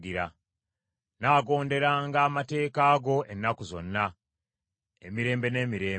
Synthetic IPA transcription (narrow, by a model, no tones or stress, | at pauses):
ɡiɾa̰ | naːɡo̞ːnde̞ɾaːŋɡaːmate̞ːkaːɡo̞ʔenːakuzo̞̰nːa | ḛmiɾe̞ːmbe̞ne̞ːmiɾe̞ː